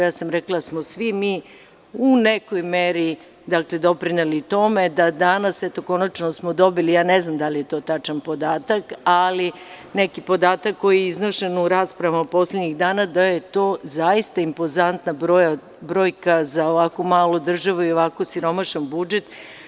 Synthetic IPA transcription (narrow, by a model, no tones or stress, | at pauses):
jaːsamɾeklad̪smosʋimiː | unekojmeɾi | d̪akle̞d̪o̞pɾinelit̪o̞me̞d̪ad̪anaset̪o̞ko̞nat͡ʃnosmod̪o̞bilijaːneznamd̪alije̞t̪o̞ːt̪at͡ʃanpo̞d̪aːt̪akali | nekipo̞d̪aːt̪akːo̞jijeiznoʃenuɾaːspɾaʋamapo̞sled̪ɲiɣd̪aːnad̪aje̞t̪o̞ːzajist̪aimpo̞zant̪nabɾoja | bɾoːjkazaoʋakomaːlod̪r̩ʒaʋuio̞ʋakosiɾo̞maʃanbud͡ʒet̪